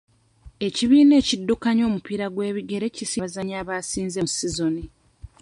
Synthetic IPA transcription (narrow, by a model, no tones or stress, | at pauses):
e̞ciβiːne̞ːcidːukaɲo̞ːmupiːɾaɡwe̞ːβiɡe̞ɾe̞cisiazaɲaːβaːsiːnzemusizo̞ni